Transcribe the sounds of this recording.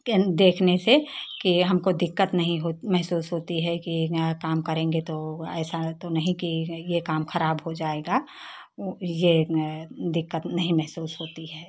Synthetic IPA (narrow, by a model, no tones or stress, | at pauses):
d̪eːkʰnesekiɦɐmkod̪ɪkːət̪nɐɦĩɦomɛɦsuːsɦoːt̪iɦɛkikaːmkɐɾẽːŋɡet̪oɛːsat̪onɐɦĩkijekaːmxɐɾaːbɦod͡ʒaːeːɡa | je | d̪ɪkːət̪nɐɦĩmɛɦsuːsɦoːt̪iɦɛː